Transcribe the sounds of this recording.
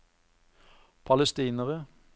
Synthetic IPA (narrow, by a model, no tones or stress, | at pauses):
pʰɑləst̪iːnəʁə